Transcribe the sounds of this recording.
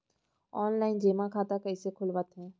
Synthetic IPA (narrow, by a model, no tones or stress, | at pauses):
ɔːnlaːɪnd͡ʑeːmãkʰaːt̪akɐɪsekʰʊlʋət̪ɦɛ̃ː